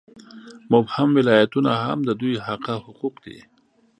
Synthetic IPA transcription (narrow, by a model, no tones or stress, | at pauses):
mʊbhamwɪlɑjat̪unaha̰md̪əd̪ujhaqahʊquqd̪ḭ